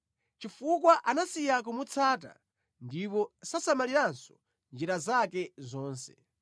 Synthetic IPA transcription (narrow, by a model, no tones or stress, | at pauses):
t͡ʃifukwaʔanasijak̬umut͡sʰaːta̰ | ndip̬ɔsasamaliɾansɔ̥ | nd͡ʒiɾazakɛzɔːnsɛ̥